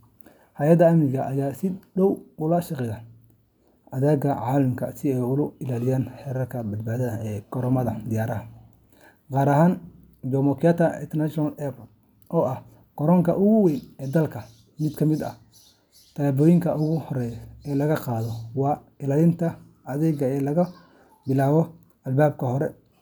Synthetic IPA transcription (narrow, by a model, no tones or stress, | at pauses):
hɐjɐd̪ɐɐmnɪɣɐʔɐjaːsɪɖɔwʊlɐʃɑqɛjan | ɐðɛːɡɐʕaːlɐmkʰɐ̰sɪɛjʊlʊɪlaːlɪjaːnħɛːɾɐrkʰɐbɐd̪̚baːðɐðɐɛːɡɔɾɔmɐðɐd̪ɪjaːɾɐɦɐ | qɑːɾɐɦaːn | d͡ʒɔmɔkʰɪjat̪ʰɐɪ̰nt̪ʰɛnaʃɔnɐlɛpʰɔrt̪ | ʔɔːʔɐh | ɡ̥ɔɾɔːŋkʰɐ̰ʔʊɣʊwɛjnɛːd̪ɐlkʰɐ | mɪd̪kʰɐmɪd̪ɐ̰h | t̪ʰɐbɔːjɪŋkʰɐʔʊɣʊhɔɾɛjɛːlɐɣɐqɑːðɔwɑː | ɪlaːlɪnt̪ʰɐ | ɐðɛɣɐɛːlɐɣɐ | bɪlaːwɔ | ɐlbaːb̚kʰɐhɔɾɛ